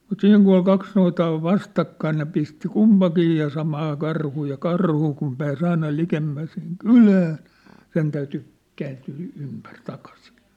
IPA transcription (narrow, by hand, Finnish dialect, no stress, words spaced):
mut siːŋ ku ol kɑks noitɑː oʋ ʋɑstɑkːɑin ne pisti kumpɑkiː jɑ sɑmɑː kɑrhuː jɑ kɑrhu kum pæːs ɑinɑ likemːæ siŋ kylæːn̞̆ sen tæyty kæːntyː ympær tɑkɑsi̥